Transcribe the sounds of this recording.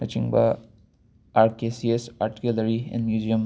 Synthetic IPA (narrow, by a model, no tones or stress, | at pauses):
ɐt͡ʃĩŋba̰ | aɾkesiespaɾʈi̥kulɐɾiɛ̰̃nmjuzijəm